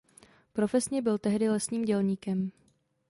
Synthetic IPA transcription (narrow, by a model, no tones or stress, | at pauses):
pɾo̞fɛsɲɛbɪlt̪ɛɦdɪlɛsɲiːmɟɛlɲiːkɛm